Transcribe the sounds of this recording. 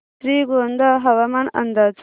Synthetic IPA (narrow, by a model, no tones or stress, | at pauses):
ɾiːɡoːnd̪aɦɐwɐmɐnɐ̰nd̪at͡s